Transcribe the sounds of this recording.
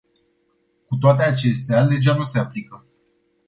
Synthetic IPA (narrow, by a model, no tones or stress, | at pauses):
kut̪oat̪eat͡ʃe̞st̪ead̪e̞ʒanuse̞aplikə